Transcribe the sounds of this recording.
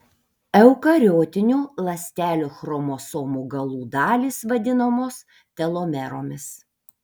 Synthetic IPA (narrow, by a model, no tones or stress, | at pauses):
ɛʊkɐɾʲoːt̪ʲɪnʲulˠɐsʲt̪ʲæːlʲuːxɾomoːsoːmuːɡɐlˠuːd̪ɑːlʲiːsʋɐd̪ʲɪnomoːs | t̪ʲɛlˠoːmʲɛɾoːmʲɪs